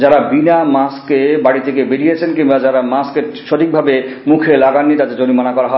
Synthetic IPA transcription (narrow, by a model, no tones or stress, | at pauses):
d͡ʑaɾabinamaskebaɽit̪ʰek̬ebeɾiet͡ɕʰenkinbad͡ʑaɾamaskeɾʃot̪ʰik̚bʱabemukʰelaɡanːit̪at̪ed͡ʑonimanakɔɾaɦɔe